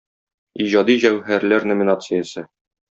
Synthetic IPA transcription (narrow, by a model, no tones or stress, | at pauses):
iʑɑd̪iʑæwɦæɾlæɾnŏmʲinat̪sɨjəsɤ